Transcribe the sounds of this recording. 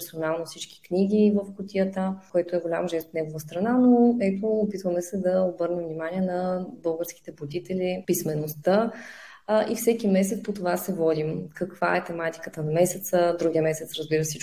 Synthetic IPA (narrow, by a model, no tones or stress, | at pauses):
ɾsonalˠnofsit͡ʃkʲi̥knʲiɡʲivəfkot̪ʲijət̪əkoɛt̪oɛɡolʲa̰mʒɛst̪fnɛɡovəst̪ɾɐnanoɛt̪oːpit̪vəmɛsɛd̪ɐobɤɾnɛmvnimaniɛnɐbɤlˠɡəɾski̥t̪ɛbod̪it̪ɛlʲipismɛnost̪ə | ʔifsɛkʲimɛs̬ɛt̪pot̪ovasɛvɔd̪imkɐkva̰ɛt̪ɛmat̪i̥kət̪ənɐmɛsɛt̪səd̪ɾuɡijəmɛsɛt̪sɾəzbiɾəsit͡ʃ